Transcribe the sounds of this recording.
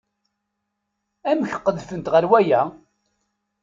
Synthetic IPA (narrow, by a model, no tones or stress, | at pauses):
æməçqːəðfənt̪ʁəɾwæjæ